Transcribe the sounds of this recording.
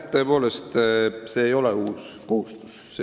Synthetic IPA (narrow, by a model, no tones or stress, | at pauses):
t̪ːøpo̞ːlest̪se̞ːjo̞leuːskohust̪u̥s | se